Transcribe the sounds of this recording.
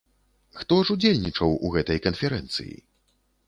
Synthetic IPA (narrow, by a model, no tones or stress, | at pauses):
xt̪ɔʐud͡zʲelʲnʲit͡ʂɐwuɣɛt̪ɐjkɐnfʲɛɾɛnt̪sɨ̰jḭ